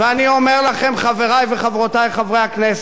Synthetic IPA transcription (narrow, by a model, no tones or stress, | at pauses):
veanio̞meʁlaχe̞mχave̞ʁajveχavʁotajχavʁejhaknes